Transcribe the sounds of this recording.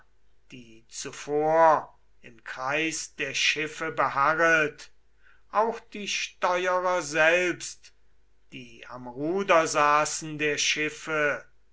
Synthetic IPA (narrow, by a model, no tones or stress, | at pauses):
d̥iːt͡sufoːɐ | ɪmkʁ̥aɪsd̥eːɐʃɪfəbəhaʁəlt | ʔaʊxd̥iːʃtɔʏəʁɐzɛlpst | d̥iːa̰mʁuːdɐzaːsn̩deːɐʃɪfə